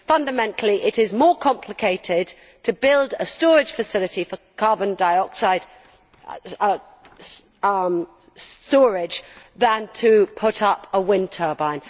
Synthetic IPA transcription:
fʌ̃ndəmɛ̃ntʰˡl̩ˠiʔɪɾɪzmɔːkʰɒ̃mpʰlɪkʰeɪtʰɪd̚ | tʰəbɪlˠdəstɔːɹɪd̥ʒ̥fəsɪlɪtifəkʰɑːbə̃ndaɪɒksaɪd̥ | m | stɔːɹɪdd͡ʒðə̃ntʰəpʰʊɾʌpəwɪ̃ntʰɜːbãɪ̃n

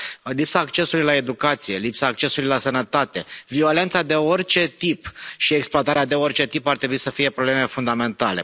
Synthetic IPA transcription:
lipsaːkt͡ʃe̞sulujlae̞d̪ukat̪sije̞lipsaːk̚t͡ʃe̞suluijlasənət̪at̪e̞vio̞le̞nt̪sad̪e̞o̞rʲt͡ʃe̞t̪ipʃieksploat̪aɾead̪e̞o̞rt͡ʃe̞t̪ipart̪ɾe̞buisəfije̞pɾoble̞me̞fund̪ame̞nt̪ale̞̰

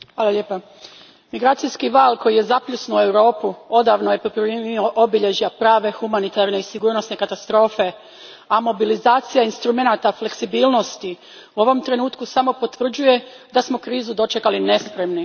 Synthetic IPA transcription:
xʋaːlˠaʎʲeːpa | miɡɾaːt̪sijskiʋaːlˠko̞jijezapʎʲusnue̞wɾo̞ːpuo̞d̪aʋnojeppɾenioʔobiʎe̞ʒiapɾaːʋe̞xumanit̪aɾne̞isiɡuːɾnosne̞kat̪ast̪ɾo̞ːfe̞ | amo̞bilizaːt̪sijainst̪ɾume̞nat̪afle̞ksibiːlˠno̞st̪i | uo̞ʋo̞mt̪ɾe̞nuːt̪kusamo̞po̞t̪ʋr̩d͡ʑuje̞ | d̪asmo̞kɾiːzud̪o̞t͡ʃe̞kaline̞spɾe̞mni

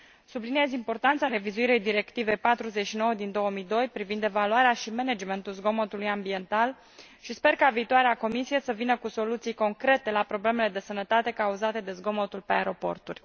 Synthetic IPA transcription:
sublinie̞zimpo̞rt̪ant̪saɾe̞vizuiɾejd̪iɾe̞kt̪ive̞jpat̪ɾuze̞t͡ʃʃino̞wəd̪ind̪o̞wəmijd̪o̞jpɾivind̪e̞valuaɾeaʃimened͡ʒme̞nt̪ulzɡo̞mot̪ulujambie̞nt̪al | ʃispe̞rkaviːt̪oaɾeako̞misije̞səvinəkuso̞lut̪sijko̞ŋkɾe̞t̪e̞lapɾo̞ble̞me̞le̞d̪e̞sənət̪at̪e̞kauzat̪e̞d̪e̞zɡo̞mot̪ulpe̞aeɾo̞po̞̰rt̪urʲ

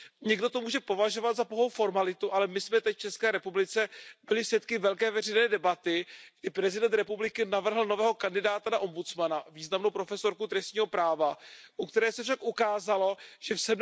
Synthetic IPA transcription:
ɲɛɡdo̞t̪o̞muːʒɛpo̞vaʒo̞vad̪zapoɦo̞wfo̞ɾmalɪt̪uʔalɛmɪsmɛt̪ɛcft͡ʃɛskɛːɾɛpublɪt͡sɛbɪlɪfsjɛt̪kɪvɛlkɛːvɛr̝ɛjnɛːdɛbat̪ɪɡ̚dɪpɾɛzɪdɛnt̪ɾɛpublɪkɪnavr̩ɦl̩no̞vɛːɦo̞kandɪdaːt̪anaʔo̞mbut͡smanaviːznamnowpɾo̞fɛso̞ɾkut̪ɾɛst̪ɲiːɦo̞pɾaːvaʔukt̪ɛɾɛːsɛfʃakʔukaːzalo̞ʒ̥ɛfsɛbn

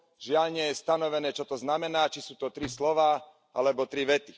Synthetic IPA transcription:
ʒɪaʎɲɪɛjɛst̪anɔʋɛnɛːt͡ʃɔt̪ɔznamɛnaːt͡ʃisuːt̪ɔt̪ɾislɔʋaː | ʔa̰lɛbɔt̪ɾiʋɛt̪i̥

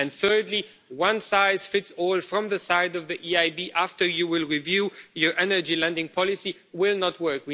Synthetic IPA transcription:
ɨ̃nθɜ˞dˡli | wʌ̃nsaɪz̥fɪtsɔlˠfɹʌ̃mðəsaɪdʌvðiʔiaɪbiʔæftə˞jɨwɪlˠɹivjujə˞ʔɛnə˞d͡ʒilɛ̃ndɪ̃ŋpʰɑlɪsi | wɪlˠnət̚wɜ˞kwɪ

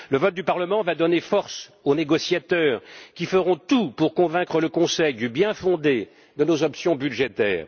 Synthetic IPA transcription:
ləvɔt̪̚d̪ypaʁləmɑ̃vad̪ɔnefɔʁs | oneɡɔsjat̪œːʁkʲifəʁɔ̃t̪upuʁkɔ̃vɛ̃kχələkɔ̃sɛjd̪ybjɛ̃fɔ̃d̪e | d̪ənozɔpsjɔ̃byʒet̪ɛ̰ːʁ

